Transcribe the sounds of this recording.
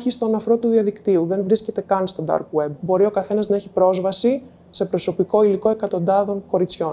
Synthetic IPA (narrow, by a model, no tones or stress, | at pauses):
çist̪o̞nɐfɾo̞t̪uðiɐðikt̪iuðe̞nvɾisce̞t̪e̞kɐnst̪o̞nd̪ɐ̰ɾkwe̞b̚bo̞ɾio̞kɐθe̞nɐznɐe̞çipɾo̞zvɐsi | se̞pɾo̞so̞piko̞iliko̞e̞kɐt̪o̞nd̪ɐðo̞ŋko̞ɾit͡sço̞n